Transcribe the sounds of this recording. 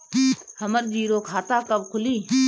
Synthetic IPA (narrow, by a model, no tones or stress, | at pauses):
həməɾd͡ʒiːɾoːkʰaːt̪aːkəbkʰʊliː